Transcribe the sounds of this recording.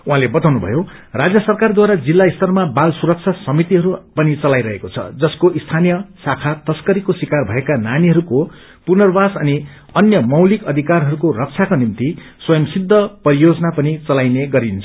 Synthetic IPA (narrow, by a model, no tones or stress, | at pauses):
uɦãlebʌt̪awnubʱʌ̰jo | rad͡zjʌsʌrkard̪waɾad͡zilːaist̪ʌrmabalsuɾʌk̚t͡sʰasʌmit̪iɦʌɾupʌnit͡sʌlajɾʌɦekot͡sʰʌ̰d͡zʌskoʔist̪ʰanijʌsakʰat̪ʌskʌɾikoswikarbʱʌekananiɦʌɾuko | punʌrbasʌni | ʌnjʌmʌwlikʌd̪ʱikarɦʌɾukoɾʌk̚t͡sʰakonimt̪iswʌjʌmsid̪ʱːʌpʌɾijod͡zʌnapʌnit͡sʌlajneɡʌɾint͡sʰʌ